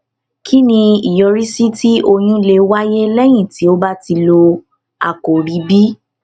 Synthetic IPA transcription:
kʰi˦nĩ˧i˨jɔ˧ɾi˦si˦ti˦ʔo˧j̃ĩ˧le˧wa˦je˦lɛ˦j̃ĩ˦˨ti˨˦o˦ba˦ti˧lo˧ | a̰˨ko˨ɾi˨˦bi˦

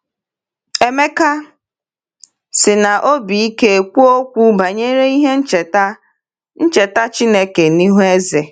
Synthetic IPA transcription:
e˦me˦ka˦ | sɪ˨na˨ʔo˦bi˨i˦ke˦e˨kʷu˦o˦kʷu˦ba˨ɲe˦ɾe˦i˦ɦe˦n̩˦t͡ʃe˨ta˦ | n̩˦t͡ʃe˨ta˦t͡ʃi˦ne˦ke˨ni˦ɦu˦e˦ze˨

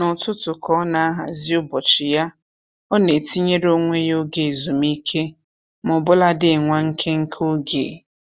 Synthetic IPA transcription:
nʊ˨tʊ˦tʊ˨kʰɔ˦na˨a˦ɦa˨zi˦ʊ˦bɔ˨t͡ʃɪ˨ja˦ | ɔ˦ne˨ti˦ɲe˦ɾo˦ŋʷe˦jo˦ɡe˨zu˨mi˦kʰe˦ | mʊ˨bʊ˦la˦dɪ˦˨ŋʷa˦ŋ̩˦kʰe˦ŋ̩˦kʰo˦ɡḛ˨

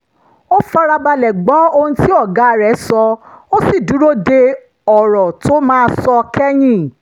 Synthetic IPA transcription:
o˦fa˧ɾa˧ba˧lɛ˨ɡ͡bɔ˨˦o˧hũ˧˦ti˦ɔ˦˨ɡa˨˦˨ɾɛ˨˦sɔ˧o˦si˦˨du˨˦ɾo˦de˧ | ɔ˨ɾɔ˨to˦mãː˦˧sɔ˧kɛ˦j̃ĩ˦

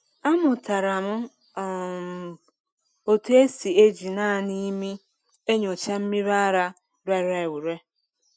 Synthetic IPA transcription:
a˦mʊ˨ta˨ɾa˨mʊ˦˨ | o˦te˦si˨e˦d͡ʒi˨naː˦˨ni˦mi˦ | e˦ɲo˨t͡ʃa˦m̩˦mi˦βa˦ɾa˦ | ɾa˨˦ɾa˨e˨wu˨ɾe˦

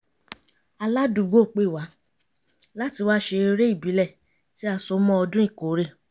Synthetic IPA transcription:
a˧la˦dũ˨ɡ͡bo˦˨k͡pe˦˨wa˨˦ | la˦ti˧wa˦ʃe˧ɾe˦i˦˨bi˨˦lɛ˦˨ | ti˦a˧˨sɔ˨˦mɔ̃˦ɔ˧dũ˦ĩ˦˨ko˨˦ɾe˦˨

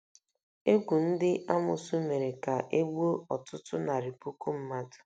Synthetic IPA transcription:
e˦ɡʷu˨n̩˦dɪ˦ʔa˦mʊ˨su˦me˨ɾe˨ka˨ʔe˦ɡ͡bo˦ɔ˨tʊ˦tʊ˦na˨ɾi˨pu˦ku˦m̩˦ma˦dʊ̥˨

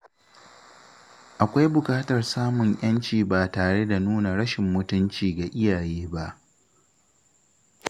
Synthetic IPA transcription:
ʔa˨kʷa˦jbʊ˨kaː˦tɐ˨rsaː˦mʊ˨ŋʔj̰ɐ˦nt͡ʃiː˨baː˨taː˨ɽe˦da˨nuː˦na˨ɽɐ˦ʃɪ˨mːʊ˦tʊ˦nt͡ʃiː˨ɡa˨ʔɪ˦jaː˨jeː˦ba˦ʔ

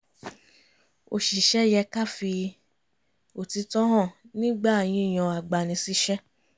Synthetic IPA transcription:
o̰˨ʃi˨ʃɛ˦jɛ˧ka˦fi˧ | o˨ti˧tɔ̃˦ɦɔ̃˦˨nĩ˦ɡ͡ba˦˨j̃ĩ˧˦i˦˨j̃ɔ̃˨˧a˨ɡ͡ba˨nĩ˧si˦ʃɛ˦

